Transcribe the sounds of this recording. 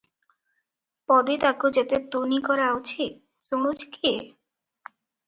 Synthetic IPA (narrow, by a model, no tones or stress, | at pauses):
pɔd̪et̪akod͡ʑet̪et̪onikɔɾaut͡ɕʰit̪̚ | sumud͡ʑkie